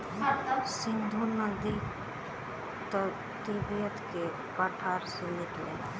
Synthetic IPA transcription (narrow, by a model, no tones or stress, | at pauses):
ɐt̪sɪ̃nd̪ʱunəd̪i | t̪ | t̪ibijət̪ke | pəʈʰaɾsunit̪leːla̰